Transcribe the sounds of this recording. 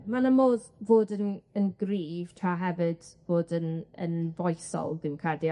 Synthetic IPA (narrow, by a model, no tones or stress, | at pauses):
manamoːðvoːdənənɡriːv̥tʰaɦɛvɨd̥voːdənə̰nvɔjsɔ̰lˠɡənkʰadi